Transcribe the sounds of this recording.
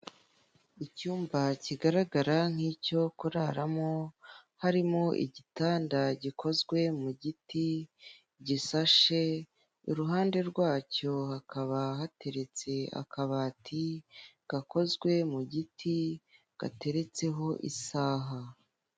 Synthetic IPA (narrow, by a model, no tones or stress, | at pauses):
icuːmbaciɡaɾaɡaɾaŋ̥hiːco̞kuɾaɾamo̞haɾimo̞ʔḭɟitaːndaɟikʰo̞zɡwe̞muɟiti | ɟisaʃe | iɾuɦaːnde̞ɾɡwaːco̞hakaβahate̞ɾe̞t͡se̞a̰kaβaːtʰi | ɡ̥ako̞zɡwe̞muɟitʰi | ɡ̥a̰te̞ɾe̞t͡se̞ɦo̞ʔḭsaːɦa